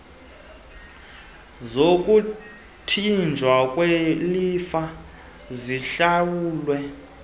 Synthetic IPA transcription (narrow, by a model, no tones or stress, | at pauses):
zokʼu | tʰind͡ʒʱwakʼwelifa | ziɬawuːlwɛ